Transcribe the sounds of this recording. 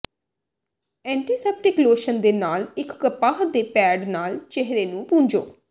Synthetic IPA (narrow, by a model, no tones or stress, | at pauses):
ɛ̃ːɳʈiːsɛːp̚ʈɪkloːʃənd̪eːnaːlɪkːəpaːɦd̪eːpɛːɖnaːlt͡ʃeɦɾeːnũːpũːɲd͡ʒo̰ː